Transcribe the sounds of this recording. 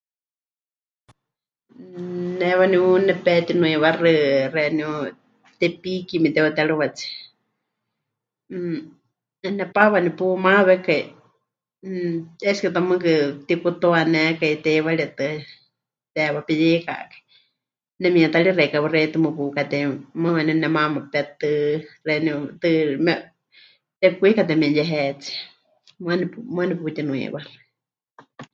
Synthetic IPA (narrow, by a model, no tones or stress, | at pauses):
nɛwaniunɛpɛt̪inũiwarɨrɛniu | t̪ɛpikimit̪ɛwat̪ɛɺɨwat͡si̥ | ɛnɛpaβanipumaβɛkai | ɛskɨt̪amɨkɨt̪ikut̪oanɛkait̪ɛwaliat̪ɨ | t̪ɛwapijika̰ʔkḁi | nɛmĩat̪alireikawɨrɛit̪ɨmɨpukat̪ɛmɨwɛnɛnɛmamapɛt̪ɨrɛnit̪ɨmɛ | t̪ɛkʷikat̪̬ɛmĩnjɛɦɛt͡si | mɨanipmaniput̪inũḭwar